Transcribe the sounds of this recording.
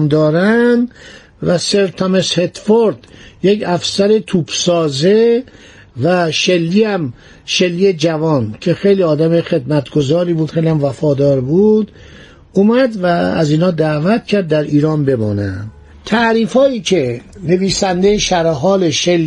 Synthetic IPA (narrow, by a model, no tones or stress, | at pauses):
md̪ɒːɾænd̪ | væseɾt̪ʰɑmeshe̞t̪foɾd̪̥jecʰæfsæɾet̪ʰuːbsɒːze | væʃe̞lːiːæm | ʃelːiːje̞d͡ʒævɒːncʰe̞xejliːɒːd̪æmexe̞d̪mæt̪ɡ̥o̞zɒːɾiːbuːd̪xejliæmvæfɒːd̪ɒːɾbuːd̪ | uːmæd̪vææ̰ziːnhɒːd̪æːvæt̪cʰæɾd̪ːæɾiːɾɒːnbe̞mɒːnæn | t̪ʰæʔɾiːfɒːiːcʰe̞ne̞viːsænd̪ejeʃæɾɦɒːleʃel